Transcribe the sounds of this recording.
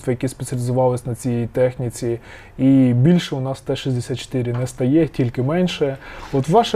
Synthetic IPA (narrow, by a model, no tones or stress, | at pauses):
t̪ʋɐjɐkʲispet̪t͡sʲɐlʲɪzʊʋɑlˠɪsʲnɐt͡sʲijɛjit̪ɛxnʲit͡sʲi | ibʲilʲʃɛʊnɑst̪ɛʃizʲd̪esʲat̪t͡ʃo̥t̪ɪɾʲɪnɛst̪ɐjɛtʲilʲkɪmɛnʲʃɛɔt̪ʋɑʃɛ